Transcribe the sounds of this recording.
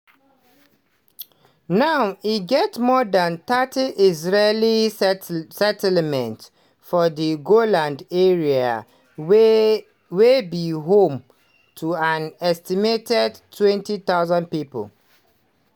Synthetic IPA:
naʊiɡɛtmɔdãnt̪atiʔizɹeli | sɛtlmɛ̃nt | fɔdiɡolãndeɹia̰ | webiɦõm | tʰuãnɛstimetɛdtʰːwɛ̃ntit̪aʊzãn̚pipə̰l

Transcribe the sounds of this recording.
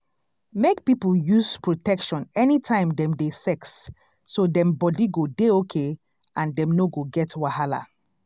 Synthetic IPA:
mek̚pipl̩juzpɹotɛkʃɔ̃nɛnitʰãɪ̃mdɛ̃mdesɛksː | odɛ̃mbɔdiɡodeokʰe | ʔãndɛ̃mnoɡoɡɛtwahala̰

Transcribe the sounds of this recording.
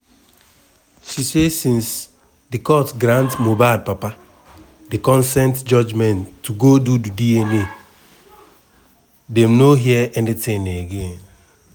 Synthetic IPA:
sisesĩns | dikɔtɡɾãntmobaɪlpapa | dikɔ̃nsɛ̃ntd͡ʒɔd͡ʒmɛ̃ntʰːuɡodudidiɛne | dɛ̃mnoɦiɛʔɛ̃nditɪ̃neɡen

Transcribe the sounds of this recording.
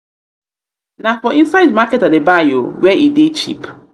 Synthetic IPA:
nafɔĩnsaɪdmakɛtadebajowɛʔidet͡ʃḭp

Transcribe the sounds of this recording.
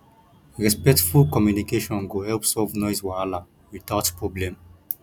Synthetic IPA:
ɹɛspɛktfulkɔmjunikeʃɔ̃nɡohɛlpsɔlvnɔɪswaala | wit̪atpɹɔblɛ̃m

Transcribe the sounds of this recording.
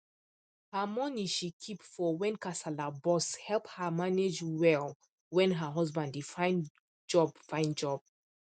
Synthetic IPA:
həmɔniʃikʰipfɔwɛ̃nkasalabɔshɛlˠphəmaned͡ʒwɛlˠ | wɛ̃nɦəɦɔzbãndifãɪ̃n | d͡ʒɔb̥fãɪ̃nd͡ʒɔb̥̚

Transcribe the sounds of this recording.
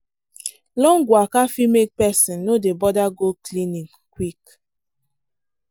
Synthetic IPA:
lɔ̃ŋɡwakafimek̚pɛsĩnːodebɔdaɡoklĩnĩŋ | kwik

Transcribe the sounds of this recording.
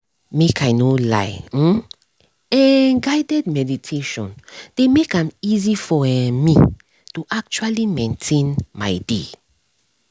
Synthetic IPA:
mekʰaɪnola̰ɪ | ɛ̃nɡaɪdɛd̚mɛditʰeʃɔ̃nd̥emekãmizifɔɛ̃mi | tuʔak̚t͡ʃualimẽntʰẽnma̰ɪdḛ

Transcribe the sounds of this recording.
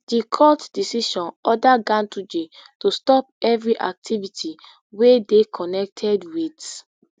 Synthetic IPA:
d̥ikʰɔtd̥isiʃɔ̃nɔdaɡãntʰud͡ʒetostɔp̚ɛvɹiʔa̰k̚tʰivitʰi | wedekʰɔnɛk̚tʰɛdwid

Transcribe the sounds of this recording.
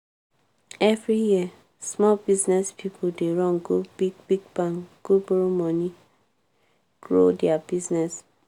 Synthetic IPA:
ɛvɹijiə | smɔlbiznɛspʰipʰodeɹɔ̃nɡubiɡbiɡ̚bãŋɡ̥uboɹomɔ̃ni | ɡ̥ɹo̰dɛabiznɛs

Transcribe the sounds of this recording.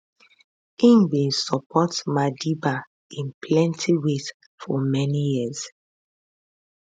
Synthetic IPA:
ĩmbĩnsɔpʰɔtmadiba | ĩnplɛ̃ntʰiwet | fɔmɛnijiz

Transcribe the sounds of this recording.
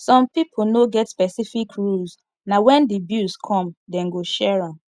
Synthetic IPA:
sɔ̃mpipʰonoɡɛtspɛsifikɹuls | nawɛ̃ndibjuskʰɔ̃mdɛ̃nɡoʃɛɹãm

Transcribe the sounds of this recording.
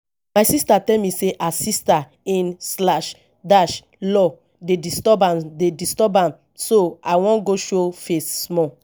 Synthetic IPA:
maɪsistatɛlmiseʔasista | ĩnslaʃ | daʃ | lɔ | dedistɔbãdedistɔbãm | soaɪwɔ̃nɡoʃofessmɔ

